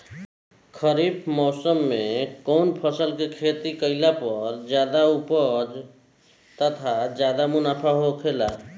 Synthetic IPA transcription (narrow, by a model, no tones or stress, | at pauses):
kʰəɾibʰmɔsəmːekəʊnpʰəsəlkekʰet̪ikəɪlapəɾd͡ʒjad̪aupəd͡ʒ | t̪ət̪ʰad͡ʒjad̪amunapʰaɦokʰela